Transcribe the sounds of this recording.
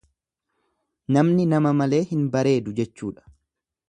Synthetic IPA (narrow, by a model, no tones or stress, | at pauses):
nɐmnɪnɐmɐmɐle̞ːhɪnbɐɾe̞ːd̪ʊd͡ʒɛt͡ʃːṵːᶑɐ̥